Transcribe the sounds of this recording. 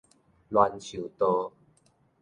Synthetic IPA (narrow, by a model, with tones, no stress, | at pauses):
lwa˨˧nt͡ɕʰu˨˩t̪o˧